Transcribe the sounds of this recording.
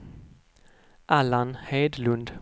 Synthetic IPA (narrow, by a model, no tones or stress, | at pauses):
ʔalanheːd̪lʉnd̪